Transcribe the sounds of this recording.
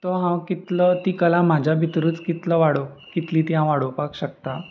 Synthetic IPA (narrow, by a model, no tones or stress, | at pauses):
t̪ɔɦãwkit̪lət̪ikəlam̤ad͡ʑʱjabʱit̪ɾuːt͡skit̪ləʋaɽə | kit̪liːt̪jɦãʋaɽəpakɕək̚t̪a